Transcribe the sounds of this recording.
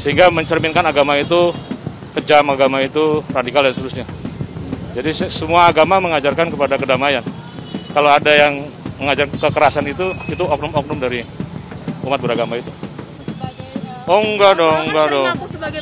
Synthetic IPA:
səɦiŋɡaməɲt͡ʃərmɪnkanaɡamait̪u | kəd͡ʒamaɡamait̪uradikaldanst̪əɾʊsɲa | d͡ʒadissəmuaːɡamaməŋad͡ʒarkankəpadakədamajan | kaloadajaŋməŋad͡ʒarkəkəɾasanit̪uit̪uɔk̚nʊmɔk̚nʊmdaɾi | umat̪̚bəɾaɡamait̪u | ɔŋɡadɔŋɡadɔ

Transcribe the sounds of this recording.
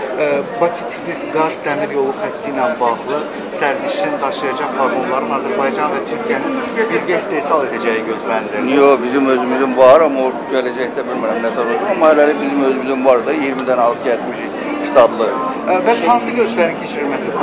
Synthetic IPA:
bɑcʰi̥t̪ʰi̥flʲisɡɑɾzt̪ʰæmiɾjo̞lˠuxæt̪ʰːijnænbɑɣlˠɯ | sæɾviʃind̪ɑʃlˠɯjɑd͡ʒɑχvɑɾonlˠɑɾɯnɑzæɾbɑjd͡ʒɑnxɛt̪t͡ʃʰit̪ʰjæninyʃvɛbilʲɟɛist̪e̞jsɑlˠe̞d̪æd͡ʒɛjiɟø̞zlænd̪iɾijobizimø̞zymyzimvɑɾɑmaoɟælæd͡ʒɛçd̪æbilʲmiɾæmnet̪ʰoɾosunɑmːɑælæɾɛbizimø̞zymyzymvɑɾd̪ɯjiɾmid̪ænɑlˠkʰɛt̪miʃ | st̪ʰɑb̪lˠɯ | bæshɑnsɯɟøɾt͡ʃlʲæɾincʰet͡ʃʰiɾilʲmæsib

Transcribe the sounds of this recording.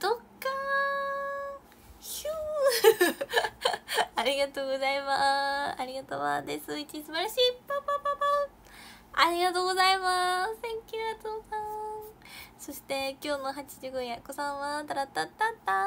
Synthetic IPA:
d̪̥okːa | çɯ | aɾʲiɡat̪o̞ːɡo̞zaimaaɾʲiɡat̪o̰βa̰d̪esɨit͡ɕisɨbaɾaɕiːpapapapa | aɾʲiɡat̪o̞ːɡo̞zaimasẽŋkʲɯat̪oːsã | so̞ɕi̥t̪e̞kʲo̞ːnoɦat͡ɕiʑɨɡojakosãɰ̃βat̪aɾat̪ːat̪ːat̪ːa

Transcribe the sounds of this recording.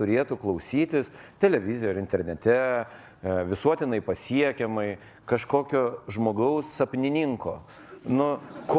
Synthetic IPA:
t̪ʊɾʲeːt̪ʊklˠɐʊsʲiːt̪ʲɪst̪ʲɛlʲɛʋʲɪzʲɪjoɾɪnʲt̪ʲɛɾʲnʲɛt̪ʲɛ | ʋʲɪsuɔt̪ʲɪnɐɪpɐsʲiɛkʲɛmɐɪ | kɐʃkoːkʲoːʒmoːɡɐʊsɐpʲnʲɪnʲɪŋko̰ː | nʊk

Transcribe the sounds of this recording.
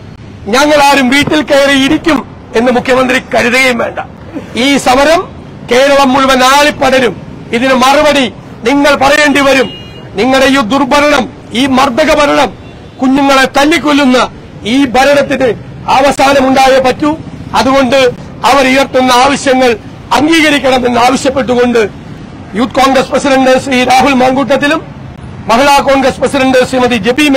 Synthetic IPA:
ɲɐŋːɐɭaːɾumʋiːʈːilkeːrɐjiɾikʲːum | e̞nːɨmukʰjɐmɐnd̪rikɐɾuðɐɣɐjumʋe̞ːɳɖɐ | iːsɐmɐɾɐm | ke̞ːɾɐɭɐmːuɭuʋɐnaːɭipːɐɽɐɾum | iðinɨmɐrɐʋɐɽi | niŋːɐɭpɐrɐje̞ːɳɖiʋɐɾum | niŋːɐɽejud̪urbʱɐɾɐɳɐm | iːmɐrd̪ɐɣɐbʱɐɾɐɳɐm | kuɲːuŋːɐɭet̪ɐlːik̬ʲːolːunːɐ | iːbʱɐɾɐɳɐt̪ːinɨ | aːʋɐsaːnɐmuɳɖaːjɐpɐtːuɐðuɣo̞ɳɖɨ | ɐʋɐɾujɐrt̪ːunːɐaːʋɐɕjɐŋːɐɭ | ɐŋɡiːɣɐɾikʲːɐɳɐme̞nːaːʋɐɕjɐpːe̞ʈːuɣo̞ɳɖɨ | juːt̪ko̞ːŋɡɾɐsprɐsidɐɳɖɨsriɾaːɦulmɐŋɡuʈ̬ːɐt̪̬ːilumː | ɐɦiɭaːko̞ːnɡɾɐsprɐsiɾɐɳɖɨsimɐðid͡ʑe̞biːm

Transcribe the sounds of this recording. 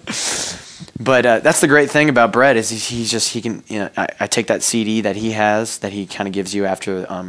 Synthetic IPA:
b̥ʌt̚ʌðætsðɨɡɹeɪt̪̚θɪ̃ŋɨbaʊt̚b̥ɹɛɾɨz̥i̥izd͡ʒʌst̚hikɨ̃njɨʊa̰ɪʔaɪtʰeɪk̚ðɨtsiɾiðɨt̚hiɨz̥ðɨt̚hikʰãɪ̃ndɨɡɪvzjɨæftʰə˞ʌ̰̃m

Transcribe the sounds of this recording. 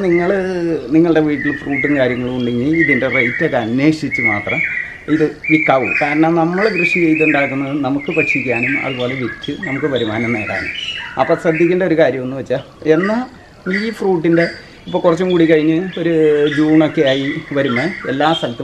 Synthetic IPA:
niŋːɐɭniŋːɐɭɨɽe̞ʋiːʈːilfruːʈ̬ːɨnkaːɾjɐŋːɐɭuɳɖiŋːiiðinderɐjtːekːɐnːe̞ːʂit͡ɕːɨma̰ːt̪rɐm | iðɨʋikːaːʋṵmkaːɾɐɳɐnɐmːɐɭɡrɨʂit͡ɕejt̪̬ːuɳɖaːkːunːɐðɨnɐmukːɨpɐʈʂikʲːaːɳumɐ̰ðupo̞ːle̞ʋitːɨnɐmukːɨpɐɾimaːnɐnːeːɽa̰ːɳṵmɐ̰pːosɐd̪ʱːikʲːunɖɐo̞ɾukaːɾjɐmo̞nːuʋɐt͡ɕːa | e̞nːɐ | iːfruːʈ̬ːinde̞ | ipːoːkurɐt͡ɕːumkuːɽikːɐɻiɲːɨo̞ɾud͡ʑuːɳo̞kːe̞jaːjiʋɐɾumːɐelːaːst̪ɐlt̪ːɐ

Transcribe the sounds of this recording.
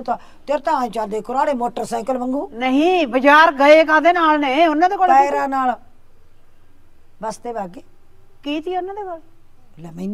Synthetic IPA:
t̪aː | t̪eɾt̪ãːt͡ʃãːd̪eːkʊɾaːɽeːmoːʈəɾsɛ̃ːkəlbəŋɡuːnəɦĩːbəd͡ʒaːɾɡəeːkãːd̪eːnaːlnẽĩʊnːãːd̪eːkoːɽpɛːɾaːnaːl | ʋaːst̪eːbaːɡeː | kiːt̪iːʊnːãːd̪eːkoːl | laːmə̃n

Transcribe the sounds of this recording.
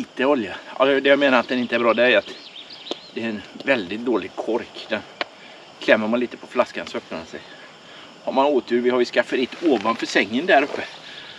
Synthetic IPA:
iːt̪əɔljaa̰sɔd̪ɛjameːnaɾat̪̚d̪ɛnɪnt̪əɛɾbɾɑːd̪ɛæjat̪ | d̪̥ɛːɾɛnvɛld̪ɪt̪̚d̪oːlɪɡ̚kʰɔɾkd̪̥ɛn | kʰlɛmːəɾmanliːt̪ə̥pʰɔflaskansɔœpnamansɛ̰j | haɾmanoːt̪ʰʉːɾvɪhaɾvɪskafːaɾɪt̪ːoːvanfœʂɛŋːənd̪æɾɵpːə

